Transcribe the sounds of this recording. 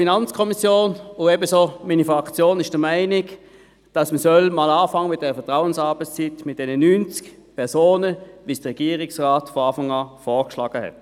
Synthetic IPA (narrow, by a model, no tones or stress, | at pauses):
finɑnt͡skʰɔmisjoːnʊɛbəsomiːnifʁɑkt͡sjoːnɪʃd̥əmæɪnɪk | d̥ɑsməsœlmaːlaːfɑŋːəmɪtdɛːʁəfɛɐtʁaʊənsɑɐbəst͡sitmɪt̚d̥ɛnənynt͡skpʰɛɐsoːnəvisd̥əʁɛɡ̥iːəʁɪksʁaːtfɔɑːfɑŋaːfɔːkʃlɑːɡ̥əhɛ̰t